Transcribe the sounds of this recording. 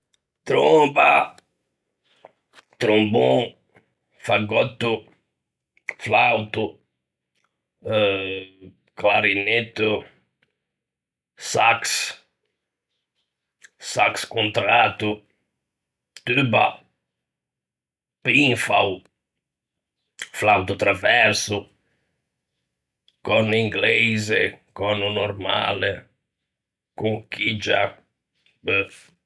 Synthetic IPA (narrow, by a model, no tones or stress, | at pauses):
t̪ɾõba | t̪ɾõmbõ | faɡɔt̪ʊ | flawt̪ʊ | klaɾinet̪u | saks | sakskõnt̪ɾat̪ʊ | t̪yba̰ | piŋfaw | flawt̪ut̪ɾavɛɾsu | kɔniŋɡlɛjzekɔnunoɾma̰le | kuŋkid͡ʒa